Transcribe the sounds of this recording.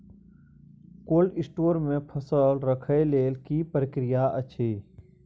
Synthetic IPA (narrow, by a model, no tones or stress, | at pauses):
koːlɪsʈoːɾmẽpʰəsəlɾəkʰəeleːlkipɾəkɾɪjaət͡ʃʰeː